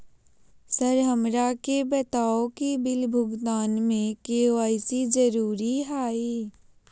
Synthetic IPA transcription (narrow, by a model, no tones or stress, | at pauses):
səɾɦəmɾakebət̪aːokibɪlbʱʊɡt̪aːnmẽkeːoaːɪsid͡ʒəɾuːɾiɦaːiː